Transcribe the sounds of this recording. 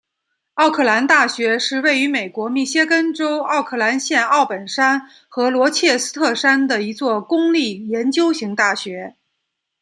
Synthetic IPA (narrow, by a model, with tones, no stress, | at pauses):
ɑ˥˧ʊkʰɤ˥˩la˧˥nt̪a˥˩ɕɥɛ˧˥ʂɻ̩˥˧we˥˩ɪy˧˥me˨˩ɪkwɔ˧˥mi˥˩ɕjɛ˥kə˥nʈ͡ʂo˥ʊɑ˥˧ʊkʰɤ˥˩la˧˥nɕjɛ˥˧nɑ˥˩ʊpə˨˩nʂa˥n | xɤ˧˥lwɔ˧˥t͡ɕʰjɛ˥˩sɹ̩˥t̪ʰɤ˥˩ʂa˥nd̪ə˨i˧˥t͡swɔ˥˩kʊ˥ŋli˥˩jɛ˧˥nt͡ɕjo˥ʊɕi˧˥ŋt̪a˥˩ɕɥɛ˧˥